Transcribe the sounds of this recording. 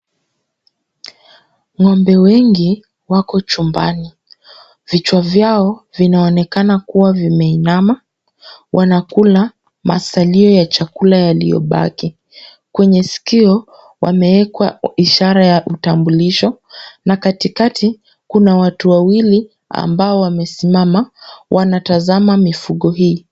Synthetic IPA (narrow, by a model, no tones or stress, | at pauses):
ŋɔmbɛwɛŋɡi | wakɔt͡ʃumba̰ni | vit͡ʃwavjaɔvinaɔnɛkanakuwavimɛinama | wʔanakula | ma̰saliɔjat͡ʃakulajalḭjɔ̰ɓa̰ki | kwɛɲɛsi̥kiɔ | wa̰mɛwɛkwa̰iʃaɾajaʔutambuliʃɔ | nakatikatʰi | kunawatuwawili | a̰mbaɔwamɛsimamawʔanatazamamifuɠɔɦiː